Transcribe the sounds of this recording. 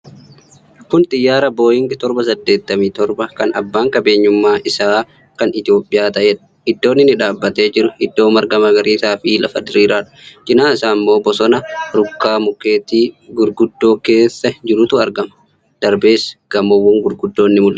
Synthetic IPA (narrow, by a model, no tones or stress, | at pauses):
kʊnt̪ʼɪjːaːɾɐbo̞ːjɪŋɡɪt̪ɔɾbɐsɐd̪ːe̞ːt̪ːɐmiːt̪ɔɾbɐkɐnɐbːaːŋkɐbe̞ːɲːʊmːaːʔɪsaː | kɐnɪt̪ɪo̞ːpʼːɪjaːt̪ɐʔeːᶑɐ̥ɪd̪ːo̞ːnːɪnɪᶑaːbːɐt̪e̞ːd͡ʒɪɾʊɪd̪ːo̞ːmɐɾɡɐmɐɡɐɾiːsaːfiːlʔɐ̰fɐd̪ɪɾiːɾaːᶑʊ̥t͡ʃɪnaːɪsaːmːo̞ːbɔsɔnɐɾʊkːaːmʊkeːt̪iːɡʊɾɡʊd̪ːo̞ːke̞ːsːɐd͡ʒɪɾʊt̪ʊɐɾɡɐmɐ̥ | d̪̥ɐɾbe̞ːsɡ̥ɐmɔwʊːŋɡʊɾɡʊd̪ːoːnːɪmʊlʔɐ